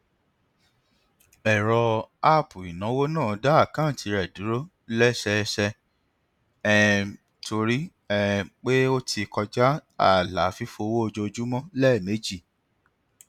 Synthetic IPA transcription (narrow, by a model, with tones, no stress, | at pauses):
ɛ˨ɾɔ˧a˦˨pu˨i˨nã˨˦wo˦nãː˦˨˦da˦a˦˨kã˦˨ti˨˧˦ɾɛ˨du˨˦ɾo˦ | lɛ˦˨sɛ˧sɛ˧ | ɛ˦ | tʰo˧ɾi˦ | ɛ˧k͡pe˦o˦ti˧kɔ˧d͡ʒa˦a˦˨la̰˨˦fi˦fo˧wo˦o˧d͡ʒo˧d͡ʒu˦mɔ̃˦lɛ˦˨me˨˦d͡ʒi˦˨